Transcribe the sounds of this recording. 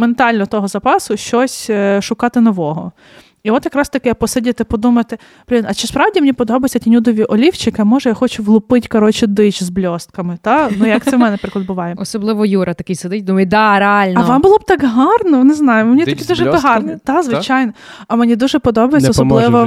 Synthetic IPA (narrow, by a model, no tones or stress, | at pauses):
ment̪ɑlʲnɔt̪ɔɦɔzɐpɑsʊʃt͡ʃɔsʲʃʊkɑt̪ɪnɔʋɔɦɔ̰ | iɔt̪jɐkɾɑst̪ɐkɪpɔsɪdʲɪt̪ɪpɔd̪umɐt̪ɪ | b̥lʲɪnɐt͡ʃɪspɾɑwdʲimenʲipɔd̪ɔbɐjɪt͡sʲɐtʲinʲud̪ɔʋʲiʔɔlʲiwt͡ʃɪkɪɐmɔʒɛjaxɔt͡ʃʊɦlˠʊpɪtʲkɐɾɔt͡ʃɪd̪ɪt͡ʃzblʲɔst̪̚kɐmɪt̪ɑnujɐk̪sɛmɛnɛnɐpɾɪklˠɐd̪̚bʊʋɑjɛɔsɔblˠɪʋɔjuɾɐt̪ɐkɪjsed̪ɪtʲd̪umɐjd̪aɾealʲnɐɔʋɑmbʊlˠɔb̚t̪ɑkɦɑrnɔneznɑjʊmenʲit̪ɔkʲid̪uʒɛpɦɑrnɛd̪ɑzʋɪt͡ʃajnɔ | ɐmenʲid̪uʒɛpɔd̪ɔbɐjesʲɐɔsɔbllˠɪʋɔ